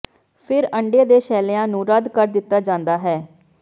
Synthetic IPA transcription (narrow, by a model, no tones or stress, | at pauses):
pʰɪɾəɳɖeːd̪eːʃɛːleãːnũːɾəd̪kəɾd̪ɪt̪ːaːd͡ʒãːnd̪aːɦɛː